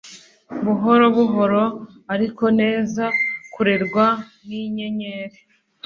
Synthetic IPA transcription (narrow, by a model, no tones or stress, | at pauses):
βuɦo̞ɾo̞βuβoɾo̞ | aɾiko̞ne̞ːzakuɾe̞ɾɡwaniɲe̞ɲe̞ːɾe